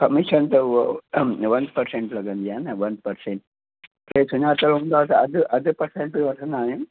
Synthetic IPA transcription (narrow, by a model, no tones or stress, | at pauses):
kɐmiʃɐnt̪o | ʋɐnpɐɾseɳʈlɐɡɐnd̪ijaːnɐʋɐnpɐɾseɳʈ | ɾeːsuɲaːt̪ɐlund̪aːt̪ɐɐd̪uʔɐd̪ɨpɐɾseɳʈʋɐɾsɐnaːjɐm